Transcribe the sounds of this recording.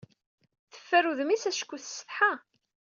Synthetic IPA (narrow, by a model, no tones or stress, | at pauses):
θə̥fːæɾuðəmisæsə̥kʷːuθsːə̥θħa